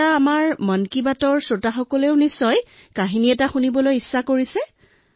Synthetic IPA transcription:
aamaɹmɔnkibatɔɹsotaxɔkɔleʊnisːɔjkaɦiniɛtaxunibɔlojisːakoɹisɛ

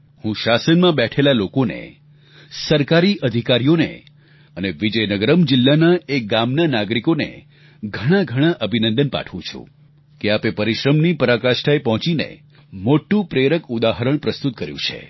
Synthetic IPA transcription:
hũʃasənmãbɛʈʰelalokonḛ | səɾkaɾiʔəd̪ʱikaɾijonḛ | əneʋid͡ʒəjnəɡəɾəmd͡ʒɪlːanaek̚ɡamnanaɡɾikonḛ | ɡʱəɽ̃ãɡʱəɽ̃ãʔəbʱinənd̪ənpa̰ʈʰʋũt͡ʃʰṵ̃ | keapepəɾiʃɾəmnipəɾakaʃʈʰaepɔɦɔ̃t͡ʃinḛ | moʈːũpɾeɾəkud̪aɦəɾəɳ̃pɾəst̪ut̪̚kəɾjṵ̃t͡ʃʰḛ

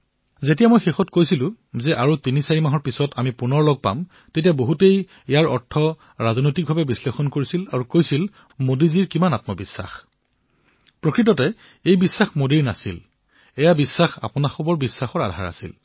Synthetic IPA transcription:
zetijamojxexɔtkojsilʊ̃ | zɛʔaɹutinisaɹimaɦɔɹpisɔtʰamipunɔɹlɔɡ̚pa̰m | tetijaboɦutej | ɛjaɹɔɹtʰːɔ | ɹazɔnojtik̚bʱabɛbislexɔnkoɹisilaɹukojsil | modiziɹkimanatmɔbisːa̰x | pɹokɹit̬ɔtɛ | ejbisːaxmodiɹnasḭl | ɛjabisːaxa̰pʊnaxɔbɔɹbisːaxɔɹa̰dʱa̰ɹa̰sḭl

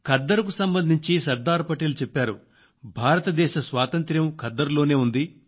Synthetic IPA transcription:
kɐd̪ːɐɾuk̬usɐmbɐnd̪ʱiɲt͡ʃisɐɾd̪aːɾpɐʈeːlut͡ʃɛpːaːɾu | bʱaːɾɐt̪ɐd̪ɛːʃɐsʋaːt̪ɐnt̪ɾjɐmkɐd̪ːɐɾulo̞ːne̞ːund̪i

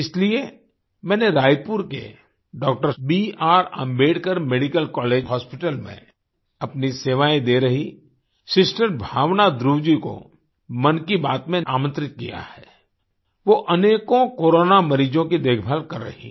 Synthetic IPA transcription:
ɪslie | mɛ̃ːneɾaːjpuɾkḛ | ɖɔːk̚ʈəɾbiːaːɾə̰̃mbeːɽkəɾmeːɽikəlkɔːleːd͡ʒɦɔːspɪʈəlmḛ̃ | ɐpniseːʋaːẽd̪eɾɐɦi | sɪsʈəɾbʱaːʋnad̪ɾuːd͡ʒiko̰ | mɐnkibaːt̪mẽaːmə̃nt̪ɾɪt̪̚kija̰hɛː | ʋoʔɐneːkõkoːɾoːnamɐɾiːd͡ʒõkid̪eːkʰbʱaːlkɐɾːɐ̰ɦḭ̃

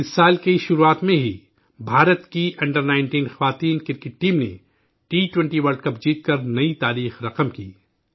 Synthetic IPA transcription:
ɪsːaːlkiʃʊɾuaːt̪mẽɦi | bʱaːɾət̪kiʔɐ̃ɳɖəɾnaːɪɳʈiːnxɐʋaːt̪iːnkɪɾkɪʈːiːmnḛ | ʈiːʈwɛ̃ɳʈiʋɐɾɖkɐp̚d͡ʒiːt̪̚kɐɾnɐit̪aːɾiːxɾɐqəmkiː

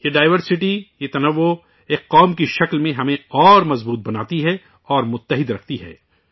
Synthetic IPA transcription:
jeɖaːɪʋəɾsɪʈijet̪ɐnɐʋːo | eːkːɔːmkiʃɐklmẽɦɐmẽɔːɾmɐzbuːt̪̚bɐnaːt̪iɦɛ | ɔːɾmʊt̪ːɐɦɪd̪ɾɐk̚ʰt̪iɦɛ̰ː

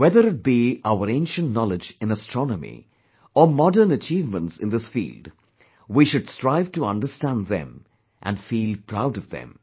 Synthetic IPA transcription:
wɛðəɾɨt̚b̥iaʊəɾẽɪ̃nʃə̃ntnɔlɪd͡ʒɨ̃nəstɹ̥ɔnəmḭ | əmɔdə˞nət͡ʃiːvmə̃ntsɨ̃nðɪsfḭːlˠd | wiʃʊd̥stɹaɪv̥təʌ̰̃ndəstæ̃nd̪ðɛ̰̃m | ʔæ̰̃nfiːlˠpʰɹ̥aʊɾʌvðɨ̰̃m

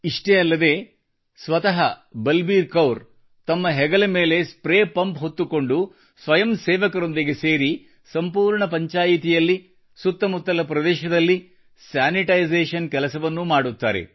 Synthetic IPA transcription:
iʂʈejɐlːɐd̪e̞ː | sʋɐt̪ɐɦɐbɐlbiːɾkɐwɾ | t̪ɐmːɐɦɛɡɐlɐme̞ːle̞spɾeːpɐmpɦo̞t̪ːuko̞ɳɖu | sʋɐjɐmsɛːʋɐkɐɾo̞nd̪iɡe̞seːɾi | sɐmpuːɾɳɐpɐɲt͡ʃaːjit̪ijɐlːi | sut̪ːɐmut̪ːɐlɐpɾɐd̪ɛːʃɐd̪ɐlːi | sjaːniʈɐjzeːʃɐnkɛlɐsɐʋɐnːumaːɽut̪ːa̰ːɾḛ

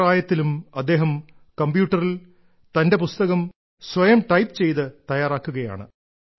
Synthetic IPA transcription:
aːjɐt̪ːilumɐd̪ːe̞ːɦɐm | kɐmbjuːʈːɐril | t̪ɐnde̞pust̪ɐɣɐm | sʋɐjɐmʈɐjpt͡ɕe̞jt̪ɨt̪ɐjaːraːkːuɣɐja̰ːɳɨ̰

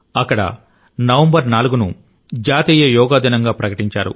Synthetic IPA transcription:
ɐkːɐɽɐ̰ | nɐʋɐmbɐɾnaːluɡunṵ | d͡ʒaːt̪iːjɐjɔːɡaːd̪inɐŋɡaːpɾɐkɐʈiɲt͡ʃa̰ːɾṵ

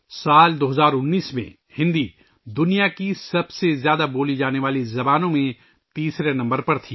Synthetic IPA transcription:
saːld̪oːɦɐzaːɾʊnːiːsmḛ̃ | hɪ̃nd̪i | d̪ʊnijakisɐbsezjaːd̪aboːlid͡ʒaːneʋaːlizɐbaːnõmẽ | t̪iːsɾenɐ̃mbəɾpɐɾt̪ʰiː

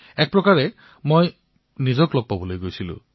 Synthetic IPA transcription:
ɛk̚pɹɔkaɹɛ | moj | nizɔklɔɡ̚pabɔlojɡojsilʊ̰̃

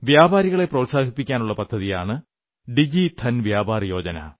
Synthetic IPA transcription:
ʋjaːbaːɾiɣɐɭe̞prɐːtsaːɡʱipːikʲːaːnuɭːɐpɐd̪ʱːɐðijaːɳɨ | ɖid͡ʑit̪ʰɐnʋjaːbaːrjo̞ːd͡ʑɐnɐ̰

